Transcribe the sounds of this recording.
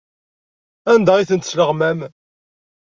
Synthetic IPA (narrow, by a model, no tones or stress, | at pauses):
ænd̪æiθənt̪sləʁmæm